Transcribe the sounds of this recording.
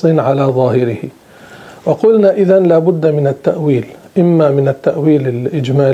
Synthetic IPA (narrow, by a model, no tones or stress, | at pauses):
ɨnʕalaːðˤɑːhɪɾɪhɪ | wɑqʊlnaʔɪðanlaːbʊd̪ːamɪnat̪ːaʔwiːlʔɪmːamɪnat̪ːaʔwiːlɪlʔɪd͡ʒmaːl